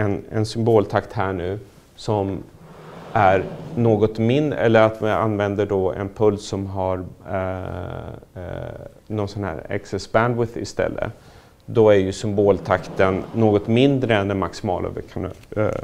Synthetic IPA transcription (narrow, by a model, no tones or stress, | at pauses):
ɛnɛ̰nsʏmboːlt̪ʰakt̪hæːɳʉ̟ː | sɔm | ʔæɾnoːɡɔt̪mɪnɛ̰lːəɾat̪vɪa̰nvɛnd̪əɖɔɛ̰npʰɵlsːɔmɦaɾ | nɔnsɔnhæ̰ːɾɛ̰ksɛsbænd̪wɪðɪ̰st̪ɛ̰lːə̰ | d̪ɔæɾjɵsʏmboːlt̪ʰakt̪ənːoːɡɔt̪mɪnd̪ɾəɛnd̪ɛnmaksɪmɑ̰ːlʔa̰vɛkʰan̰